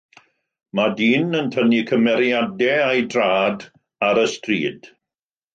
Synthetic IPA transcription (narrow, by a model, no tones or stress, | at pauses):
madiːnəntʰənikʰəmɛɾjadɛajdraːd | aɾəstrḭːd̥